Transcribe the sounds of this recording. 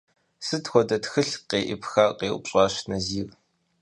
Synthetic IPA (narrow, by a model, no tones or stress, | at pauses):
sɨtxʷɔdɐtxɨɬqeːʔḭpxaːqeːʔʊ̰pɕʼaːʃnɐziːɣ